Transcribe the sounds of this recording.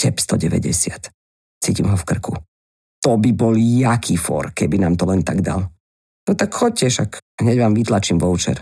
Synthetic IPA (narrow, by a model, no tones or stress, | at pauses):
cɛpst̪ɔɟɛʋɛ̰ɟɛ̰sɪat̪ | t͡siːcimɦɔfkr̩ku | t̪ɔbibɔljakʰiːfɔ̰ɾkɛbinaːmt̪ɔlɛnt̪a̰ɡd̪a̰l | nɔt̪akxɔc̚cɛʃakɦɲɛɟʋaːmʋit̪lat͡ʃiːmʋɔʊt͡ʃɛ̰ɾ